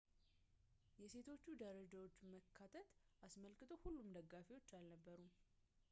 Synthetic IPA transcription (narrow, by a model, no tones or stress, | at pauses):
jɛse̞t̪ʰo̞t͡ʃːud̪əɾəd͡ʒawo̞t͡ʃːməkʰːat̪ʰət̪ʔasməlkɨt̪ʰo̞hulːumd̪əɡːafewo̞t͡ʃːalnəbːəɾum